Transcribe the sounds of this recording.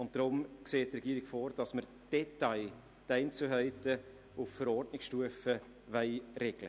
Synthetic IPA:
ʊnt̚d̥ɾʊmkseːttrɛɡiːɾɪkfoːɾd̥ɑsməɾ | d̥ɛtaɪ | dɛɪnt͡suɦœɪtə | ʊffəɾɔrdnɪksʃtuəfə | vɛɪɾɛɡ̥lə̰

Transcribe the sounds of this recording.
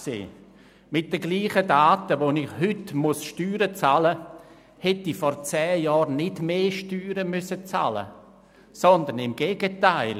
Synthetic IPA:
sḛː | mɪt̚d̥əɡliːχədaːtəʋonɪχhʏtmʊsʃtyːɾət͡salə | hɛtifɔɾt͡sɛːjɔːɾnɪdmeːʃtyːɾəmʏsət͡sa̰lə̰ | sɔnd̪ənɪmɡ̥eːɡətaɪl

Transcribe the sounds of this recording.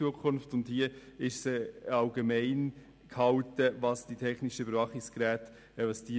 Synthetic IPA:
uəkʰʊnftʊnthiəɪʃsɛɑlɡemɛɪn | kʰhɑltəvɑsd̥itʰɛχnɪʃəbəɾvɑχɪkskɾæːt | ɛvɑsd̥i

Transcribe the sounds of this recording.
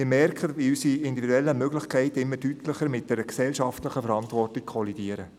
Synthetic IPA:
ɪːmɛrkχədbiysiɪnd̪ividuɛlːəmøɡlɪχkʰɛɪtɪmːədytʰləχəɾmɪt̚d̥ɛɾəksɛlʃɑftləχəfəɾɑntʋɔrtik̚kʰɔlidiəɾə

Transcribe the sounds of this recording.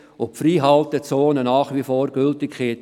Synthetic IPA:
opfɾiːɦɑlt̪ət͡soːnənɑːχʋifoːɾɡ̥ʏltɪkχet

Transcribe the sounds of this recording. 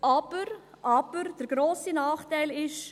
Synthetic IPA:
ʔɑb̥əɾ | ʔɑb̥əɾd̥əɾɡ̥ɾoːsinɑːχtæɪlɪʃ

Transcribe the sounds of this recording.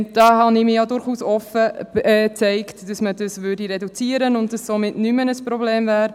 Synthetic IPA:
d̥ɑːɦɑnɪmɪjadʊɾχuːsɔfəɛt͡sɛɪktd̥ɑsmədəsvʏɾdiɾɛdut͡siəɾənʊnd̥ɑssomɪtnymənəsprobleːmvɛːɾ

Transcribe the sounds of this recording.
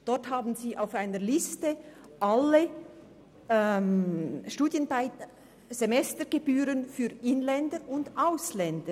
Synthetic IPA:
d̥ɔʁthaːbn̩ziːʔaʊfaɪnəlɪstə | ʔale | ɛmʃtuːdjənbaɪt | z̥emɛstəɡ̥ebyːɾənfyːɪnlɛndəʊndaʊslɛndə

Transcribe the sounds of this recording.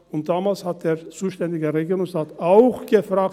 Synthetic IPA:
ʊnt̚d̥aːmaːlshat̚d̥eːɐt͡suːʃtɛndɪɡəʁeɡiːʁʊŋsʁaːtaʊxɡ̥əfʁ̥aːk̚

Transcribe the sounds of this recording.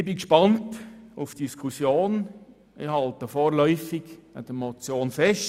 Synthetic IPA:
ɪbikʃpɑntʊfd̥iskʰusjoːn | ɪhɑltəfoːɾlœʏfɪɡa̰d̥əmot͡sjoːnfɛʃ

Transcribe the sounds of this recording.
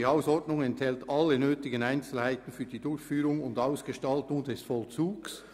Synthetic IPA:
iaʊsɔʁdnʊŋɛnthɛltɑlːənøːtɪɡənaɪnt͡sl̩haɪtən̩fyːɐd̥iːdʊɾçfyːɾʊŋʊndaʊsɡ̥əʃtɑltʊŋdɛsfɔlt͡suːɡs

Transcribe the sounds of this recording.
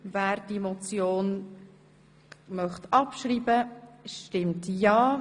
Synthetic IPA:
væːɾd̥imot͡sjoːn | mœχtɑpʃriːbəʃtɪmtjɑː

